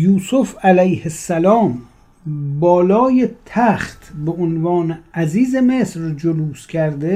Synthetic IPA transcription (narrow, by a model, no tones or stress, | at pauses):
juːsufælæjhesːælɒːm | bɒːlɒːjet̪ʰæχt̪ʰbeonvɒːneæziːzeme̞sɾd͡ʒoluːskʲʰæɾd̪e